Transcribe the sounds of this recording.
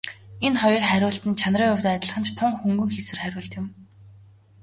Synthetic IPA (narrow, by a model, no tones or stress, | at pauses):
enχɔjɞ̆rχæɾʲʊːɮt̪ɘ̆nt͡ɕʰanriːŋʊwt̪ːt̪ʲɪ̆ɮχə̆nt͡ɕt̪ʰʊŋxuŋɡɵ̆ŋxesɘ̆rχæɾʲʊːɮɬt̪jɪ̆m